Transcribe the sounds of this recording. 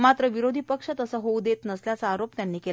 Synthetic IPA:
mat̪ɾəʋiɾod̪ʱiːpəkʂət̪əsəɦoud̪et̪nəsljat͡saːɾopt̪janːiːkel

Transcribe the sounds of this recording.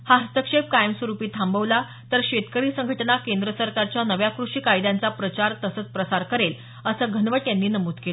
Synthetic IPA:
hast̪əkʂep̚kajəmsʋəɾupiːt̪ʰambəʋla | t̪əɾɕet̪kəɾiːsəŋɡʱəʈnakend̪ɾəsəɾkaɾt͡ɕjanəʋjakɾuʂiːkajd̪jãnt͡sapɾət͡ɕaɾt̪əsət͡spɾəsaɾkəɾel | əsəːɡʱənʋəʈjanːiːnəmuːd̪kel

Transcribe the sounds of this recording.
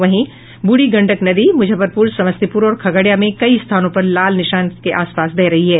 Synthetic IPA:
ʋɐɦĩ | bʊɽiɡɐ̃ɳɖəknɐd̪imʊd͡ʒʱəpɐɾpuːɾsɐməst̪ipuːɾɔːɾkʰɐɡaɽjamẽkɐist̪ʰaːnõpɐɾlaːlnɪʃaːnkeʔaːspaːsb̪ɛɦɾɐɦiɦɛː

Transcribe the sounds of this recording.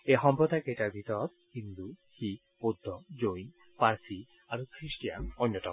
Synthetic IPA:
ejɦɔmpɹɔd̪ʱakeʈaɹbʱit̪ɔɾɔt̪̚kind̪uhik̚ | pod̪ʱːɔd͡ʑojn | paɹsi | aɾukɾisʈijanɔnːjɔt̪ɔ̰m

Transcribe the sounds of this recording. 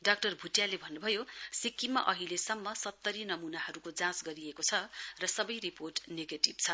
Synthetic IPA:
ɖak̚ʈʌrbʱuʈjalebʱʌnːubʱʌjosikːimːa̰ʔʌɦilesʌmːʌsʌt̪ːʌɾinʌmunaɦʌɾukod͡zãsɡʌɾiekot͡sʰʌrʌsʌbʌjriporʈneɡeʈibt͡sʰʌ

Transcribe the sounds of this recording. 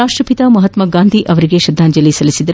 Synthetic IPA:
aːʂʈɾɐpit̪amɐɦɐt̪mɐɡaːnd̪ʱiʔɐʋɐɾiɡeʃɐd̪ʱːaːɲd͡ʒɐlisɐlisid̪ɐɾ

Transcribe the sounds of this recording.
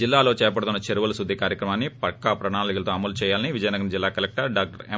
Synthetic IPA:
ilːaːloːt͡ʃɛːɐp̬ɐɽut̪unːɐt͡ʃeɾuʋɐlɐsud̪ʱːikaːɾjɐkɾɐmaːnːipɐkːapɾɐɳaːlikɐlɐt̪oːɐmɐlut͡ʃɛːjaːlɐniʋid͡ʒɐjɐnɐɡɐnd͡ʒilːaːkɐlek̚ʈɐɾɖaːk̚ʈɐɾe

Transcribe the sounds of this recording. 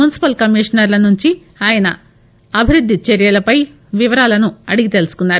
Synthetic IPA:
unisi̥pɐlkɐmiːʂɐnɐɾlɐnuɲt͡ʃi | aːjɐnɐ | ɐbʱiɾud̪ʱːit͡ʃeɾjɐlɐpɐj | ʋiʋɐɾaːlɐnuɐɽiɡit̪e̞lusu̥kunːaːɾu

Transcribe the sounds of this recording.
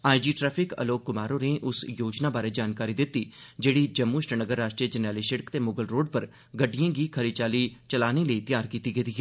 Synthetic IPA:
aːjd͡ʒiːʈɾɛːpʰɪkə̰loːkːʊmaːɾoːneʔʊsjoːd͡ʒnaːbaːɾeːd͡ʒaːnkaːɾiːd̪ɪt̪ːiːd͡ʒeːɽiːd͡ʒəmːuːʃɾənəɡəɾːaːʃʈɾijəd͡ʒənaːliːʃɪɽəkt̪eːmoːɡəlɾoːɖ̚pəɾ | ɡəɖːijãːɡiːkʰəɾit͡ʃaːliːt͡ʃəlaːneːləit̪jaːɾkiːt̪iɡed̪iːɦɛ

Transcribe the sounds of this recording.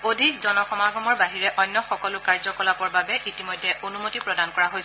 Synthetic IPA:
odʱikzɔnɔxɔmaɡɔmɔɹbaɦiɹɛʔɔjnːɔxɔkɔlʊkaɹzɔkɔlapɔɹbabɛʔitimojdʱːɛʔonumotipɹɔdankɔɹaɦojs

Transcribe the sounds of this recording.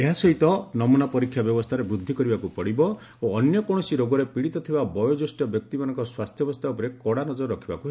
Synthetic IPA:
eɦasɔɦit̪ɔnɔmunapɔɾikʰːjabjɔbɔst̪ʰaɾebɾud̪ʱːikɔɾibakupɔɽibɔ | oːnjɔkɔɽ̃ɔsiɾoɡɔɾepiɽit̪ɔt̪ʰibabɔjɔd͡ʒosʈjɔbjɔk̚t̪imanɔ̃ŋkɔswast̪ʰjɔbɔst̪ʰaɔpɔɾekɔɽanɔd͡ʒɔɾɔɾɔkʰibakuɦ

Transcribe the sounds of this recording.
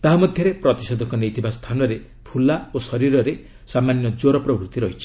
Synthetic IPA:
t̪aɦamɔd̪ʱjɔɾepɾɔt̪isɔd̪ɔkɔnejt̪ʰibast̪ʰanɔɾe | pʰulaosɔɾiɾɔɾe | samanjɔd͡ʒoɾɔpɾɔbɾut̪iɾɔɦit͡ʃʰi̥

